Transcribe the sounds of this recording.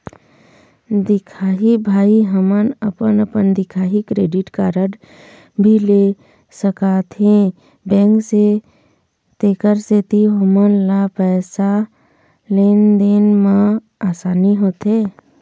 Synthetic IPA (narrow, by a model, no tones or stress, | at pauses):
d̪ɪkʰaːɦibʱaːiɦəmənəpənəpənd̪ɪkʰaːɦikɾeːɖɪʈkaːɾəɖ | bʱile | səkaːt̪ɦẽ | bɛ̃ːŋkse | t̪eːkəɾset̪iɦomənlapɛːsa | leːnd̪eːnmã | aːsaːniɦoːt̪ɦeː